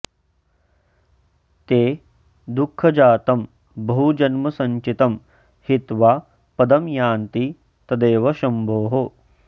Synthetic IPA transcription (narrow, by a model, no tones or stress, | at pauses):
t̪eː | d̪ukʰːɐd͡ʒaːt̪ɐm | bɐɦud͡ʒɐnmɐsɐ̃ɲt͡ʃit̪ɐm | hit̪ʋaː | pɐd̪ɐmjaːnt̪i | t̪ɐd̪eːʋɐʃɐmbʱoːɦo